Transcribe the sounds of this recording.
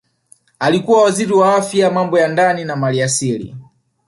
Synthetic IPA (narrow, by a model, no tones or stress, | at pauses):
alikuwawaziɾiwaafjamambɔjandaninamaliasilḭ